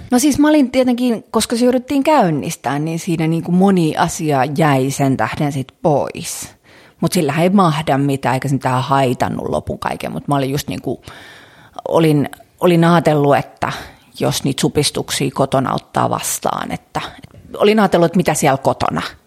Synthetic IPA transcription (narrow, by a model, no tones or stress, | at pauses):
nosiːsmɑolint̪iet̪eŋkiːnkoskɑsyryt̪ːiːŋkæynːist̪æːnninsiːnæniːŋkumoniːʔɑsiɑːjæisent̪æhdensit̪pois | mut̪silːæhæeimɑhdɑmmit̪æːeikæsemit̪æːhɑit̪ɑ̰nːṵlʔo̰puŋkɑ̰ikḛmut̪mɑolijjust̪nḭːŋku | o̰lin | olinɑːt̪elːuet̪ːæ̰ | josniːt̪supist̪uksḭːkot̪onɑ̰o̰t̪ːɑ̰ːʋɑ̰st̪ɑ̰ːnḛt̪ːæet̪o̰linɑːt̪elːuet̪mit̪æsiælkot̪o̰nɑ